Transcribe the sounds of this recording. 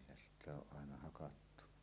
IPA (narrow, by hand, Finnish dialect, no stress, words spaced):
sitˑ oʔ ʔɑˑenɑ hɑkɑtːu